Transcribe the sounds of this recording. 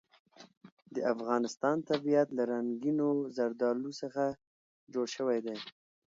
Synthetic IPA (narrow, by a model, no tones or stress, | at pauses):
d̪əʔafɣɑnɪst̪ɑnt̪abijat̪laɾaŋɡinozaɾd̪ɑlusəxa | d͡ʒoɽʃəwajd̪aj